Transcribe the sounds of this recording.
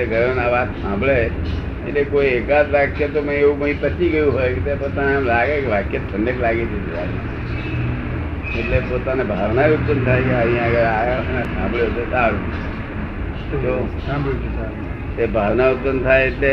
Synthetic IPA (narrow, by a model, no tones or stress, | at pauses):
eɡʱəɾenaʋat̪sãmbʱɭe | ḛʈlekoiekad̪ʋakjet̪omə̃ĩeũmə̃ĩpət͡ʃiɡəjũɦojket̪epot̪aneamlaɡekeʋakjət̪ʰəɳɖeklaɡet͡ʃʰed͡ʒeɾa̰ɾa̰ | eʈlepot̪anebʱaʋnaeut̪̚pənt̪ʰajkeaɦĩaɡəɾanasã̰mbʱɭot̪ot̪aɾũ | t̪o | t̪ebʱaʋnaʊt̪pənt̪ʰaeeʈle